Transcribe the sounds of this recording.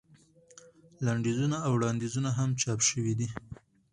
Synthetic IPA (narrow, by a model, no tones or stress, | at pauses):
laɳɖezunaawɽɑnd̪izunaɦamt͡ʃɑpʃəwid̪i